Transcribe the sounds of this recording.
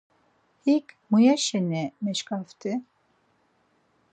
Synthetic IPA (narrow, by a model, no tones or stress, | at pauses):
hikmujaʃɛnɛmɛʃkʼaft̪ʰʼɪ